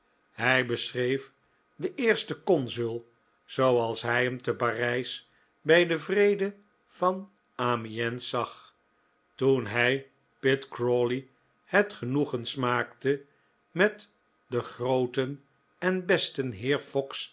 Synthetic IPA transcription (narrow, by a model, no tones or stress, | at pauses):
hɛjbəsrejf | dəʔɪːɹstəkɔnzylˠ | z̥owɑlˠsɦɛjɦəmtəparɛjs | bɛjdəvrejdə | v̥ɑn | aːmiɛnsɑχ | tunɦɛj | pɪtkɹoli | hɛtχənuχənsmaːktə | mɛt | dəχrowtən | ɛnbɛstənɦɪːɹfɔks